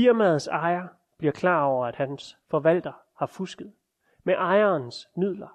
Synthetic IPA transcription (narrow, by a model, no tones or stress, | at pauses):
iɐmæð̩ˠsɑ̈ɪɐ | b̥liɐkʰlɑ̰̈ːɒʊ̰ɐæd̥hænsfɒ̽ʋæl̰d̥ɐ | hɑ̈fusɡ̥əð̩ˠ | meʔɑ̈ɪɐnsmið̞̰ˠlɐ